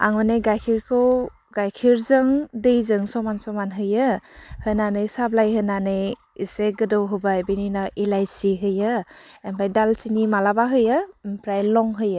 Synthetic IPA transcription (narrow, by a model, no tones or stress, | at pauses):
a̰ŋmɯneɡajkʰiɾkʰɯw | ɡajkʰiɾzɯŋdejzɯŋsɔmansɔmanɦɯjɯhɯnanɯjsablajɦɯnanɯj | iseɡɯdɯwɦɯbajbininaʔilajsiɦɯjɯempʰɾajdalsinimalabaɦɯjɯmpʰɾajlɔŋɦɯjɯ